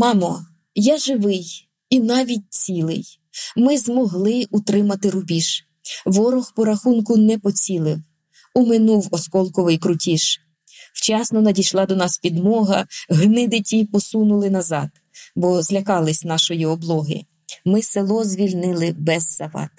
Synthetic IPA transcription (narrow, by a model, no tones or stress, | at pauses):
mɑmɔ | jɑʒɪʋɪj | inɑʋʲit̚ʲt͡sʲilˠɪ̰j | mɪzmɔɦlˠɪʊt̪ɾɪmɐt̪ɪɾʊbʲiʃ | ʋɔɾɔxpɔɾɐxunkʊnɛpɔt͡sʲilˠɪw | ʊmɪnuwɔskɔlˠkɔʋɪjkɾʊtʲiʃ | wt͡ʃɑsnɔnɐdʲijʃlˠɑd̪ɔnɑspʲid̪mɔɦɐɦnɪd̪ɪtʲipɔsunʊlˠɪnɐzɑd̪ | bɔzlʲɐkɑlˠɪsʲnɑʃɔjiɔblˠɔɦɪ̰ | mɪselˠɔzʋʲilʲnɪlˠɪbɛzːɐʋɑ̰t̪